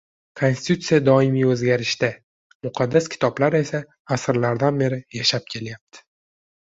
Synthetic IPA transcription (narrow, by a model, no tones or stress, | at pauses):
kʰonsɪ̥t̪ʰut̪sɨijad̪ɒɪmijɵzɡʲaɾɪʃd̪a | mʊqʰɑd̪ːaskʲʰɪ̥t̪ʰɒblaɾe̞saː | sɾlaɾd̪anbe̞ɾɪjaʃap̚kʲʰe̞ljap̚t̪ʰɪ̥